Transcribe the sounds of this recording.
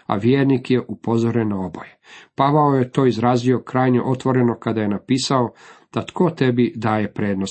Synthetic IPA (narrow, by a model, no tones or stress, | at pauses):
a̰ʋjeːɾnikje̞ʔupo̞zoɾenːao̞bo̞̰jepaʋaoje̞t̪o̞ːizɾaːzio̞kɾaːjɲeʔo̞t̪ʋo̞ɾe̞no̞kad̪ajenapiːsaod̪̥at̪kʰo̞t̪e̞bid̪aːje̞pɾeːd̪nos